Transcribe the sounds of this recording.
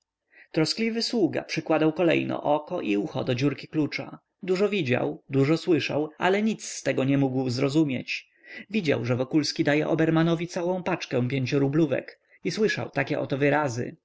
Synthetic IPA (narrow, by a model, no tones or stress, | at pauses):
t̪ɾɔsklʲivɘswuɡa̰pʂɘkwad̪awkɔlɛ̰jnɔ̰ʔɔkɔʔiuxɔ̰d̪ɔd͡ʑuɾkʲiklut͡ʂa̰ | d̪uʐɔvʲid͡ʑa̰wd̪uʐɔswɘʂa̰wa̰lɛɲit̪sst̪ɛɡɔɲɛmuɡwzɾɔzumʲjḛt͡ɕ | vʲid͡ʑa̰wʐɛvɔkulskʲid̪ajɛʔɔbɛɾmanɔvʲit̪sawɔ̃w̃pat͡ʂkɛ̃w̃pʲjeɲt͡ɕɔɾubluvɛ̰k | iswɘʂa̰wt̪akʲɛʔɔ̰t̪ɔvɘɾazɘ̰